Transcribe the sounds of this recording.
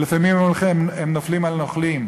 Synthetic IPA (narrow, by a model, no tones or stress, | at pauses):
lefamimememnoflimalnoχlim